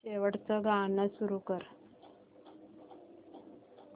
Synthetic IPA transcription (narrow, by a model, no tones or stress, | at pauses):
eʋəʈt͡səɡãnəsuɾukəɾ